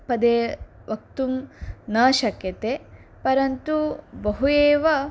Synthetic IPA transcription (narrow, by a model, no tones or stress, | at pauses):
pɐd̪eː | ʋɐk̚t̪umnaːʃɐkjɐt̪e | pɐɾɐnt̪ubɐɦueːʋɐ